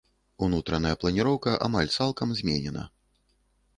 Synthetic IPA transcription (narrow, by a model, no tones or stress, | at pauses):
unut̪ɾɐnɐjɐplˠɐnʲiɾɔwkɐʔa̰malʲt̪salˠkɐmzʲmʲɛnʲɛnɐ̰